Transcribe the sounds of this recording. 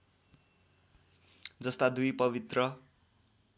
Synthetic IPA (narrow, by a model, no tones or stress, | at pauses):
d͡zʌst̪ad̪ujpʌbit̪rʌ